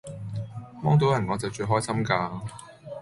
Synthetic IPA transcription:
mɔː˥ŋt̪o˨˥wjɐ˨˩nŋɔː˨˧t͡sɐ˨wt͡ʃɵ˧ɦɔː˥jsɐ˥mkaː˧

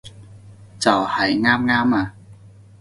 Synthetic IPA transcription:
t͡sɐ˨˩whɐ˨˩jŋaː˥mŋaː˥maː˧

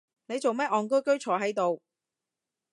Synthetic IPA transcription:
ne˨˧jt͡so˨wmɛː˥ʔɔː˨ŋk̬ɵ˥ɥkɵ˥ɥt͡ʃʰɔː˨˩ɦɐ˨˥jt̪o˨w

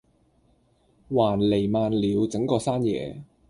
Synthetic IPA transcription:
waː˨˩nle˨˩jmaː˨˧nliː˨˧wt͡sɪ˨˥ŋkɔː˧saː˥njɛ̰ː˨˧

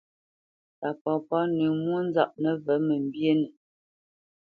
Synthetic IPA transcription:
ta˨pɔ˨pɔ˦ni˨mwo˦n˦za˦p̚nə˦və˨˦mə˨m˨bje˦nə˨

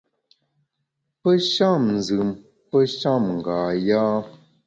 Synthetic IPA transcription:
pə˦ʃa˦˨mn˨zɨ˨m | pə˦ʃa˦˨mŋ̩˨ɡaː˨jaː˦

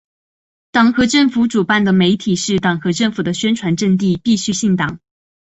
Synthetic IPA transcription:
t̪ɑ˨˩ŋxɤ˧˥ʈ͡ʂɤ˥˩ŋfu˧˥ʈ͡ʂu˨˩pa˥˩nd̪ə˩me˧˥ɪt̪ʰi˨˩ʂɻ̩˥˩t̪ɑ˨˩ŋxɤ˧˥ʈ͡ʂɤ˥˩ŋfu˨˩d̪ə˦ɕɥɛ˥nʈ͡ʂʰwa˧˥nʈ͡ʂə˥˧ŋt̪̬i˥˧pi˥˧ɕy˥ɕi˥˩ŋt̪ɑ˨˩˦ŋ

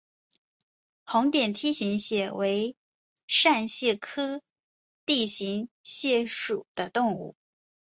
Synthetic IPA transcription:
xʊ˧˥ŋt̪jɛ˨˩nt̪ʰi˥ɕi˧˥ŋɕjɛ˥˩we˧˥ɪ | ʂa˥˧nɕjɛ˥˩kʰɤ˥ | t̪i˥˩ɕi˧˥ŋɕjɛ˥˩ʂu˨˩d̪̥ə˦t̪ʊ˥˧ŋṵ˥˩

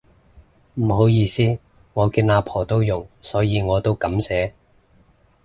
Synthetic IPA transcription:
m̩˨˩ho˨˥wjiː˧siː˥ | ŋɔː˨˧kiː˧nlaː˨˧pʰɔː˨˩t̪o˥wjʊ˨˩ŋsɔː˨˥jiː˨˧ŋɔː˨˧t̪o˥wkɐ˨˥msɛː˨˥

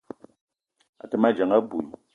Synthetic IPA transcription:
a̰˨tɛ˨ma˦d͡ʒa˨ŋa˦bu˨

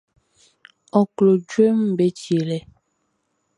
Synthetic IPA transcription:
ɔ˨klo˨d͡ʒwe˦m̩˦be˦t͡ʃe˨lɛ˦

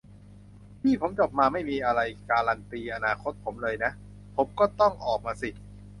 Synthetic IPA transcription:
pʰiː˥˩pʰo˩˦mt͡ɕo˨˩p̚maː˧ma˥˩jmiː˧ʔa˧ɾa˧jkaː˧la˧nt̪iː˧ʔa˧naː˧kʰo˦˥t̪̚pʰo˩˦mlɤː˧jna˦˥ʔ | pʰo˩˦mkɔː˥˩t̪ɔ˥˩ŋʔɔː˨˩k̚maː˧si˨˩

